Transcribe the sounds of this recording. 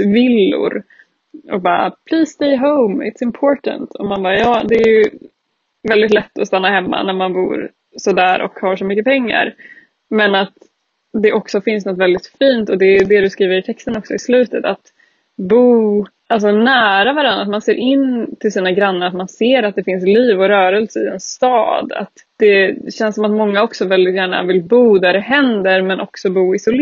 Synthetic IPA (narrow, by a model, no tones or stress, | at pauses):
vɪlːʊ̰ɾ | ɔ̰k̚bɑ̰ːɾa̰pʰliːsst̪eɪɦoʊmɪ̰t̪sɪmpʰoːʈə̰nt̪ʰɔmanbɑːɾjɑːd̪ɛæj | vɛld̪ɪt̪lɛt̪ːɔst̪anːahɛmːa̰næɾmanbṵːɾ | sɔd̪æːɾʔɔ̰khaʂɔmʏkːəpʰɛŋːa̰ɾ | mɛnat̪ | d̪ɛʔɔksɔfɪnsnɔt̪vɛld̪ɪt̪fiːnt̪ɔd̪ɛd̪ɛd̪ɵskɾiːvəɾɪt̪ʰɛkst̪ənɔksɔɪslʉ̟ːt̪ət̪at̪ | buː | ʔals̬ɔnæːɾavaɾanɾat̪̚manseːɾʔɪnt̪ʰɪlsiːnaɡɾanːəɾat̪manseːɾat̪̚d̪ɛfɪnsliːvɔɾœːɾəlsəɪɛnst̪ɑ̰ːd̪a̰t̪ | d̪̥ɛɕɛnsɔmat̪mɔŋːaɔksɔvɛld̪ɪt̪jæːɳa̰vɪlbuːd̪æɾɛɦɛnd̪əɾmɛnʔɔksɔbuːɪsɔl